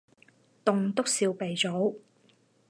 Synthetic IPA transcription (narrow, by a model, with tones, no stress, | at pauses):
t̪ʊ˨ŋt̪ʊ˥k̚siː˧wpe˨jt͡so˨˥w